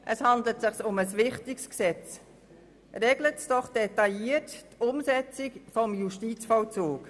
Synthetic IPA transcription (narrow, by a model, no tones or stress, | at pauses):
ʔəshɑndlətsɪχsʊməsvɪχtɪksksɛt͡s | rɛɡlətsd̥ɔχd̥ɛtɑiəttʊmsɛt͡sɪkfɔmjuʃtiːt͡sfɔlt͡suːk